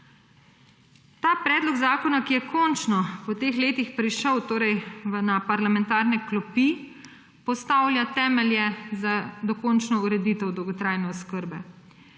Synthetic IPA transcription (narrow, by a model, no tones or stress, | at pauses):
t̪aːpɾɛːd̪lɔɡzaːkɔnakijɛkʰɔnt͡ʃnɔpɔt̪eːxleːt̪ixpɾiʃəwt̪oːɾɛjʋənapaɾlamɛnt̪aːɾnɛklɔpi | pɔst̪aːwlʲjat̪ɛːmɛljɛzad̪ɔkɔːnt͡ʃnɔuɾɛd̪iːt̪ɛwd̪ɔwɡɔt̪ɾaːjnɛɔskəɾbɛ